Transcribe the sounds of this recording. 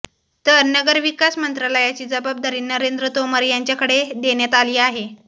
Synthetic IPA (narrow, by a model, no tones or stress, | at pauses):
t̪əɾnəɡəɾʋikasmənt̪ɾaləjat͡ɕiːd͡zəbab̚d̪ʱəɾiːnəɾend̪ɾət̪oməɾjaɲt͡ɕjakəɽed̪eɳjat̪aliːaɦe